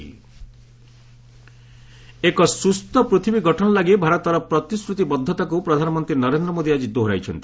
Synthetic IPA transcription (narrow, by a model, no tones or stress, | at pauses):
ekɔsust̪ɔpɾut̪ʰibiɡʱɔʈʰɔnɔlaɡebʱaɾɔt̪ːɔɾɔpɾɔt̪iskɾut̪ibɔd̪ʱːɔt̪akupɾɔd̪ʱanɔmɔnt̪ɾinɔɾend̪ɾɔmod̪ʱiad͡ʒid̪oɦɾa̰jt͡ʃʰɔnt̪i̥